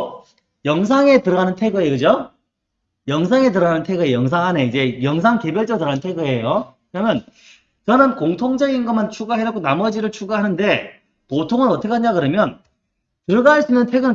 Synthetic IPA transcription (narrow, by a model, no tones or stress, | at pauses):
jʌŋsʰaŋe̞tɯɾʌɣanɯntʰe̞ɡɯekɯd͡ʑo | jʌŋsʰaŋe̞t̬ɯɾʌɣanɯntʰeɡɯejʌŋsʰaŋɦaneid͡ʑe̞jʌŋsʰaŋkebjʌɭt͡ɕ͈ʌtɯɾʌanɯntʰe̞ɡɯe̞jokɯɾʌmjʌn | t͡ɕʌnɯnkoŋtʰoŋd͡ʑʌɡinɡʌmant͡ɕʰuɡaɦeɾak͈ʰonamʌd͡ʑiɾɯɭt͡ɕʰuɡaɦanɯnde̞ | potʰoŋɯnʌtʰek͈ʰaɲakɯɾʌmjʌn | tɯɾʌɡaɦaɭs͈uinːɯntʰeɡɯnɯ